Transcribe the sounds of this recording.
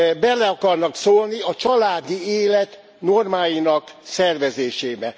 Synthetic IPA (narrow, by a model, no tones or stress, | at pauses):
bɛlɛɒkɒrnɒksoːlniɒt͡ʃɒlaːd̪ieːlɛt̪ | normaːjinɒksɛrvɛzeːʃeːbɛ